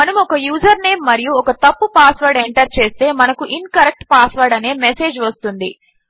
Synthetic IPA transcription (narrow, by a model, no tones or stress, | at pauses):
mɐnɐmɔkɐjuːd͡ʒɐɾne̞ːmːɐɾijuɔkɐt̪ɐpːupaːsʋɐɾɖeɳʈɐɾt͡ʃe̞ːst̪e̞ːmɐnɐkuʔinkɐɾek̚ʈpaːsʋɐɾɖɐne̞ːmese̞ːd͡ʒʋɐst̪und̪i